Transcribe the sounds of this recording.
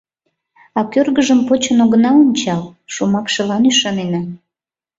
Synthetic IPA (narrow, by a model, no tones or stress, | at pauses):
ɑkørɣəʒəmpot͡ɕənoɣənɑonʲt͡ɕɑlʃomɑkʃelɑnyʃɑnenɑ